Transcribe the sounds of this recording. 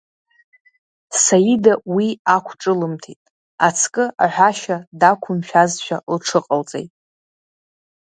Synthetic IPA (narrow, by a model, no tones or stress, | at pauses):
sajidawiakʷʰʈ͡ʂʼɨlɨmtʰetʼ | at͡sʰkʼɨa̰ħʷᶣaʃadakʷʰʊmʃᶣazʃᶣalʈ͡ʂʰɨqʼəlt͡sʼḛjtʼ